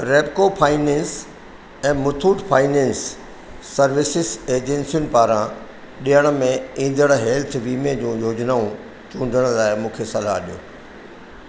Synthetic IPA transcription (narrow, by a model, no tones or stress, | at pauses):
ɾeːbkopʰaːɪnẽːns | ɛ̃ːmʊt̪ʰuːʈfʰaːɪnẽːnsː | ɐɾʋɪsɪseːd͡ʑẽnsijʊnɪpaːɾã | ɗijəɽ̃ə̆mẽĩːnd̪əɽ̃ɦeːlt̪ʰʋiːmed͡ʑũːjoːd͡ʑnaːũ | t͡ɕũːɳɖʱəɽ̃laːɪmũːkʰesɐlaɦɗijo̰ː